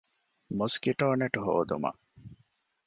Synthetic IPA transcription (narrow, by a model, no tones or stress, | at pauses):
muskiʈoːneʈuɦo̰ːd̪ṵmɐ̰ʔ